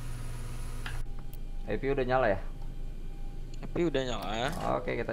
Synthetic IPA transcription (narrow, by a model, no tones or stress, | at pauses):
epiudaɲalaja | epiudaɲalao̰kekit̪a